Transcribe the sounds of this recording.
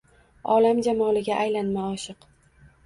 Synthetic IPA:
ɒlamd͡ʒamɒlɪɡʲaʔajlanmaɒʃɨq

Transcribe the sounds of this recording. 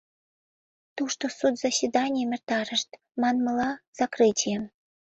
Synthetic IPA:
t̪uʂt̪osut̪z̥asʲvʲid̪ɑnʲijemʲɘ̆rt̪ɑɾə̆ʃt̪ | mɑnmɤ̆lɑz̥ɑkrɨtʲije

